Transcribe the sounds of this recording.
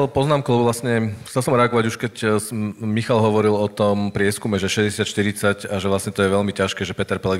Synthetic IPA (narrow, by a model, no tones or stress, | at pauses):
ɛlpɔznaːmklubʋlasɲɛxt͡sɛlsɔmɾɛaɡɔʋaɟuʃkɛc | mixalɦɔʋɔɾilɔt̪ɔmpɾɪɛskumɛʒɛʃɛzɟɛsɪat̪ʃt̪iɾit͡sacaʒɛʋlasɲɛt̪ɔjɛʋɛʎmicaʃkɛːʒɛpɛt̪ɛɾpɛlɛ